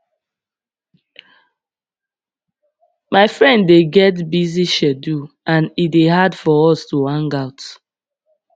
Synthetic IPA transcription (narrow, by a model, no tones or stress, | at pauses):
maɪfɹɛ̃ndːeɡɛt̬biziʃɛdu | ãnideɦadfɔɔstuwãŋɡaʊt